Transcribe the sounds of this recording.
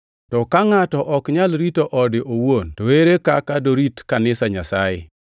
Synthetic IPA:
tɔkaŋatɔʔɔkɲalɾitoʔɔdɪʔowontoweɾekakadoɾitkanɪsaɲasajɪ̰

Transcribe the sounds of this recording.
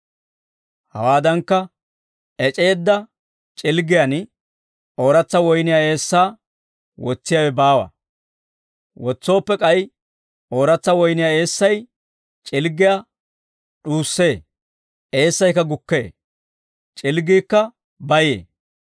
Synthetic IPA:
hɐ̰waːd̪ɐŋkːɐ | ʔɛt͡ʃʼe̞ːd̪ːɐ | t͡ʃʼɪlɡɪjan | ʔo̞ːɾɐt͡sːɐwɔjnɪjae̞ːsːaː | wɔt͡sːɪjawɛbaːwɐ̰ | wɔt͡sːo̞ːpːɛkʼɐj | ʔo̞ːɾɐt͡sːɐwɔjnɪjaːe̞ːsːɐj | t͡ʃʼɪlɡɪja | ɗuːsːe̞ː | ʔe̞ːsːɐjkːɐɡʊkːe̞̰ː | t͡ʃʼɪlɡiːkːɐ | bɐjḛː

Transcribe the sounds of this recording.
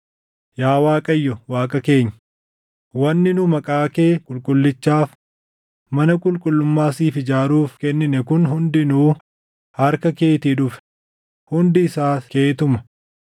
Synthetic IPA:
jaːwaːkʼɐjːɔwaːkʼɐke̞ːɲːɐ | wɐnːɪnʊmɐkʼaːke̞ːkʼʊlkʼʊlːɪt͡ʃːaːf | mɐnɐkʼʊlkʼʊlːʊmːaːsiːfɪd͡ʒaːɾuːfkɛnːɪnɛkʊnɦʊnd̪ɪnuː | hɐɾkɐke̞ːt̪iᶑʊfɛ̥ | hʊnd̪ɪːsaːke̞ːt̪ʊmɐ

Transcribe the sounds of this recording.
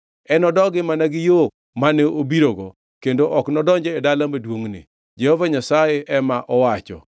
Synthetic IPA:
ɛnɔdɔɡɪmanaɡɪjo | manɛʔobiɾoɡɔ | kendoʔɔknɔdɔɲd͡ʒɛedalamedwoŋnɪ̰ | d͡ʒehɔvaɲasajeʔɛmaʔɔwat͡ʃɔ̰

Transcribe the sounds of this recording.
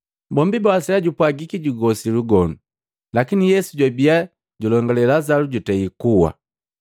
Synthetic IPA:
bɔmbibaasɛlaɟupwaɡikiɟuɡɔsiluɡɔnu | lakinijɛsuɟwabia | ɟulɔŋɡɔlɛlazaluɟutɛikuwa̰

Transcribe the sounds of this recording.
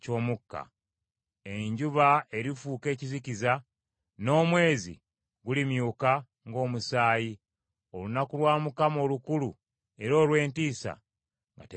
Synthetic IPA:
co̞ːmukːa̰ | e̞ɲɟuβae̞ɾifuːke̞ːciziciza | no̞ːmwe̞ːzḭ | ɡulimjuːka | ŋɡo̞ːmusaːji | o̞lunakulwaːmukamo̞ːlukulu | e̞ɾo̞ːlwe̞ːntiːsa̰ | ŋɡa̰te

